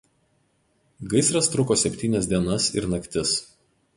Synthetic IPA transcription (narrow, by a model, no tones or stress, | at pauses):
ɡɐɪsɾɐst̪ɾʊkoːsʲɛpʲt̪ʲiːnʲɛs̬ʲd̪ʲiɛnɐsɪ̰ɾnɐkʲt̪ʲɪs